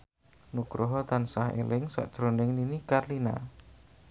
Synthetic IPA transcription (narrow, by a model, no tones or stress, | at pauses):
nukɾʔoɦɔt̪ansahḛlɪŋsa̰ʔd̥ʒ̥ɾonɪŋninikarlina̰